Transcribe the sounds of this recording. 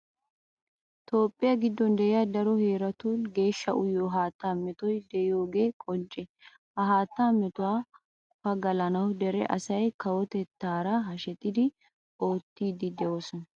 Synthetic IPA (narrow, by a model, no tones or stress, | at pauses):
t̪o̞ːpʼːɪjɐɡɪd̪ːɔnd̪ɛʔɪjaːd̪ɐɾɔhe̞ːɾɐt̪uːnɡe̞ːʃːɐʔʊjːoːɦaːt̪ːaːmɛt̪ɔjd̪ɛɪjo̞ːɡe̞ːkʼɔnt͡ʃʼːɛ | hɐɦaːt̪ːaːmɛt̪ʊwaː | fɐɡɐlɐnɐwd̪ɛɾɛ̰ʔɐ̰sɐjkɐwɔt̪ɛt̪ːaːɾɐɦɐʃɛt̪ʼːɪd̪ɪ | o̞ːt̪ːiːd̪ɪd̪ɛwoːsɔnɐ